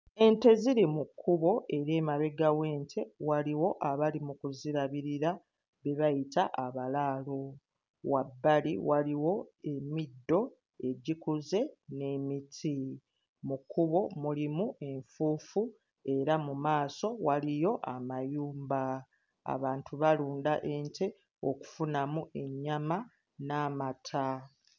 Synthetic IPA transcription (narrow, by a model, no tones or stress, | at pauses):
e̞nte̞ziɾimukʰːuβo̞e̞ɾe̞ːmaβe̞ɡaweːntʰe̞waliwo̞ʔaβalimukuziɾaβiɾiɾa | βe̞βajitaʔaβalaːlo̞ | wabːaliwaliwo̞e̞midːo̞ | e̞ɟikuze̞ne̞mitʰi | mukuβo̞mulimuʔe̞ɱfuːfu | e̞ɾamumaːso̞walijo̞ʔa̰majuːmba | a̰βaːntʰuβaluːndaʔe̞ɲte̞ | o̞ku̥funamuʔe̞ɲːama | namatʰa